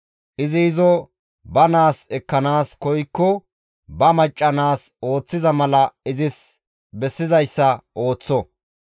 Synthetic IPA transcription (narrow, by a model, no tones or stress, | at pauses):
ʔɪzɪːzɔ | bɐnaːsɛkːɐnaːskɔjkːɔ | bɐmɐt͡ʃʼːɐnaːso̞ːt͡sːɪzɐmɐlɐɪzɪs | bɛsːɪzɐjsːɐʔo̞ːt͡sːɔ